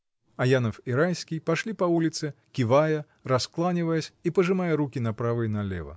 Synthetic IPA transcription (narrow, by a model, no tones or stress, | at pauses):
ajanɐfiɾajsʲkʲijpaʂlʲipavulʲit̪sɨkʲivajɐ | rasklˠanʲivɐjɛsʲipɐʐɨmajɛɾukʲinapɾavɨnɐlʲɛ̰vɐ̰